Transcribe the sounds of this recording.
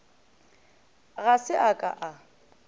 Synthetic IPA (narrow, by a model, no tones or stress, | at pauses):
ɣasɪʔakʼa̰ʔa